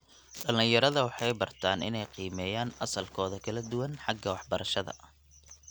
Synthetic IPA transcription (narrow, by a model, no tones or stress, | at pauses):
ɖɐlɪjɐɾɐðɐwɑħɑjbɐrt̪ʰaːnʔɪ̰nɛjqiːmɛːjaːnɐsɐlkʰɔːðɐkʰɐlɐd̪ʊwɐnħɑɡɐwɑħbɐɾɐʃɐðɐ̰